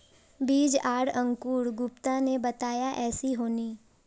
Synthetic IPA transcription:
biːd͡ʒaːɽə̃ŋkuːɽɡʊpt̪ãnebɐt̪aːjaʔɛːsiɦoːniː

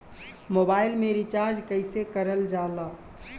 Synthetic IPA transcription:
moːbaːɪlmẽɾit͡ʃaːɾd͡ʒkəɪsekəɾəld͡ʒaːlaː

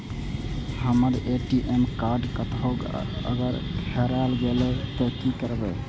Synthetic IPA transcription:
həməɾeʈiʔemkaɾɖkət̪ʰoɡə̰ɡəɾhʰeɾalɡelɛt̪əkikəɾbɛ

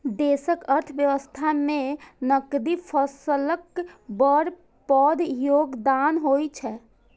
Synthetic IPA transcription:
d̪esəkəɾt̪ʰəbjəʋəst̪ʰamẽnəkd̪ipʰəsələkbəɾ | pəd̪ʱjoɡd̪anɦojt͡ʃʰɛ

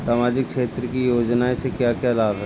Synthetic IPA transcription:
saːmaːd͡ʒɪk̚ʃʰeːt̪ɾəkijoːd͡ʒnaesekjakjalaːbɦɛ

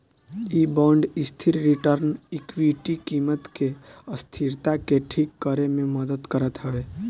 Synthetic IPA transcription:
iːbɔ̃ːɳɖɪst̪ʰiɾɾiʈəɾnɪkwiʈikiːmət̪keəst̪ʰiɾt̪akeʈʰiːkːəɾemẽməd̪əd̪kəɾət̪ɦɛʋeː

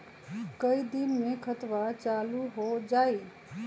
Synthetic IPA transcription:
kəid̪inmekʰət̪ʋat͡ʃaluɦod͡ʒai

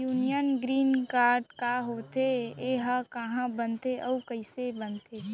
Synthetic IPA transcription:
juːnijənɡɾiːnkaːɾɖkaɦoːt̪eeɦakəɦãbənt̪eʔɔkəɪsebənt̪eː

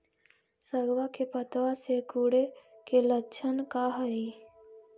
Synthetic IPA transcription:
səɡwakepət̪wasekuːɽekelət͡ʃʰənkaɦəi

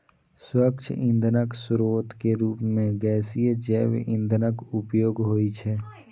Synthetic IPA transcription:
swək̚t͡ʃʰɪ̰̃nd̪ʱənəksʊɾoːt̪keɾuːpmẽɡɛːsijed͡ʒɛːʋʔɪ̃nd̪ʱnəkʊpjoːɡɦoːit͡ʃʰɛː

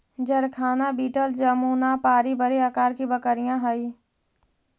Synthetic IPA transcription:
d͡ʒəɾkʰaːnabiːʈəld͡ʒəmuːnapaːɾibəɾeakaːɾkibəkəɾɪjãɦəi

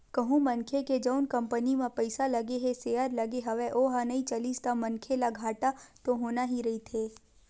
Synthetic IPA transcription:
kɐɦũmɐ̃nkʰeked͡ʒəʊnkɐ̃mpənimãpəɪsalɐɡeɦeseːəɾlɐɡeɦɐʋeʔoɦanɐĩt͡ʃɐliːst̪amɐnkʰelaɡʱaːʈat̪oɦoːnaɦiɾɐɦit̪ʰeː

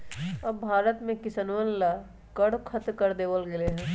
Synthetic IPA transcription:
ɐbbʱaːɾət̪mẽkɪsənʋənla | kɐɽkʰɐt̪kəɾd̪eːʋəlɡeleɦɛ̃ː

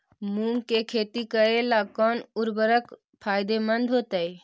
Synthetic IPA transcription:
mumkekʰet̪ikəelakɔnuɾbəɾək | pʰajd̪emənd̪ʱɦot̪əj

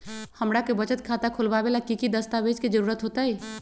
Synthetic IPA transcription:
həmɾakebət͡ʃət̪kʰat̪akʰolbabelakikid̪əst̪abet͡ʃked͡ʒəɾuɾət̪ɦot̪əj

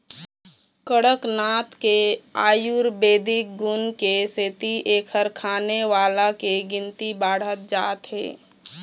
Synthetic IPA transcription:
kəɽəknaːt̪kea̰ːjuɾbeːd̪ʱɪk̚ɡʊnkeseːt̪iʔeːkʰəɾkʰaːneʋaːlakeɡɪnt̪ibaːɽ̤ət̪̚d͡ʒa̰ːt̪ɦḛː

